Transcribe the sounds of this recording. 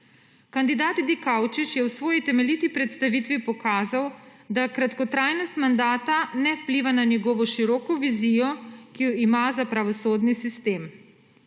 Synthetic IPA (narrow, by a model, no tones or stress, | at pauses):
kand̪id̪aːt̪d̪ikawt͡ʃit͡ʃjɛwsʋɔːjit̪ɛmɛlit̪ipɾɛt̪st̪aʋit̪ʋipɔkaːzawd̪akɾat̪kɔt̪ɾaːjnɔst̪mand̪aːt̪anɛwpliʋananjɛɡɔːʋɔʃiɾɔːkɔʋizijɔkijɔimazapɾaʋɔsoːd̪nisist̪eːm